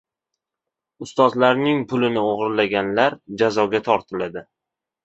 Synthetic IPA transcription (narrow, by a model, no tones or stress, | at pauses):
ʊst̪ɒzlaɾnɪŋpʰʊlɪnɪoʁɨɾlaɡʲanlaɾd͡ʒazɒɡʲat̪ʰɒɾt̪ʰɪlad̪ɪ